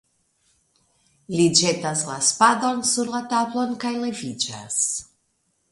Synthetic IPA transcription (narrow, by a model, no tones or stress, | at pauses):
lid͡ʒe̞taslaspado̞nsuɾlatablo̞nkajle̞vid͡ʒa̰s